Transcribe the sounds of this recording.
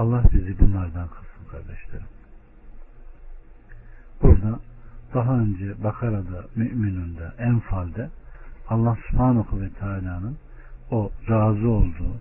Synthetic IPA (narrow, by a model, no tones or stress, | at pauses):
ɑlˠːahbizibunlˠaɾd̪ankʰɯ̥sɯlˠkʰaɾd̪ɛʃlʲeɾi | b̥uɾd̪ad̪̥aɦaønd͡ʒɛbakʰaɾad̪amyʔminynd̪aʔænfalʲd̪ɛɑlˠːahsy̥pʰhaːnuxuvɛt̪ʰaːlʲaːnɯn | o̞ɾaːzuo̞lˠd̪uː